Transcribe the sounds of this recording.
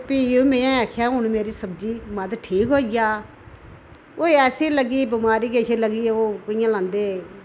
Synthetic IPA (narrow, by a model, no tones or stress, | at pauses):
piːoːmẽːjãːɛːkʰjaːɦʊɳmeːɾiːsəb̚d͡ʒiːməd̪ʈʰiːkɦoːɪjaː | oːɛːsiːləɡiːbɪmaːɾiːkeːʃeːləɡiːoːkʊɪjãːlãːnd̪eː